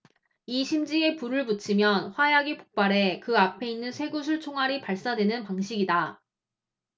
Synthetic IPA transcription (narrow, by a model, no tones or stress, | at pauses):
iɕʰimd͡ʑie̞puɾɯɭput͡ɕʰimjʌnɸwajaɡipok̚p͈aɾe̞kɯapʰe̞inːɯnsʰe̞ɡusʰuɭt͡ɕʰoŋɦwaɾipaɭs͈adwe̞nɯnpaŋɕʰiɡida